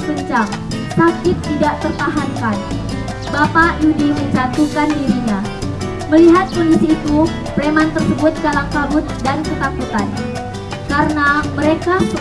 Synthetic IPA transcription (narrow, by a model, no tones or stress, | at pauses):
pəɲt͡ʃaŋ | sakɪt̪ːidaʔt̪ərt̪aɦaŋkan | bapajudiməɲt͡ʃat̪ukandiɾiɲa | məliɦat̪̚kɔndisiːt̪u | pɾemant̪ərsəbʊt̪̚kalaŋkabʊt̪̚dankət̪akut̪an | kaɾənaməɾeka